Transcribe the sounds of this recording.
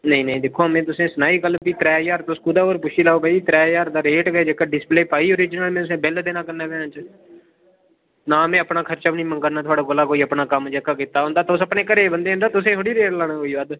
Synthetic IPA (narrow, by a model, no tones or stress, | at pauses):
nəĩːnəĩːd̪ɪkʰːoːmẽːt̪ʊsẽːsʊnaːiːɡəlːbiːt̪ɾɛːjaːɾt̪ʊskuːd̪aːoːɾpʊʃiːlaːoːbəiːt̪ɾɛːjaːɾd̪aːɾeːʈɡəeːd͡ʒeːkaɖɪspleːpaːiːoːɾiːd͡ʒnəlmẽt̪ʊsẽːbɪld̪eːnãːkəɾnaːpeãːt͡ʃ | naːmẽːəpnaːkʰəɾt͡ʃaːʋnĩːməŋkəɾnaːt̪ʰʊaːɽaːɡʊlaːkoːiːəpnaːkəmd͡ʒeːkaːkit̪aːɦõːnd̪aːt̪aʊsəpɳeːkəɾeːbənd̪eːõnd̪aːt̪ʊsẽːɦʊɽiːɾeːʈlaːɽ̃ãːkoːiːʋad̪